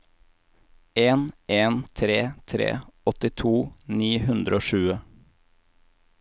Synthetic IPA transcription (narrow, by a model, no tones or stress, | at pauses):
eːnʔeːnt̪ʰɾeːt̪ʰɾḛːɔt̪ɪt̪ʰuːniːhʉnd̪ɾəoːʃʉːə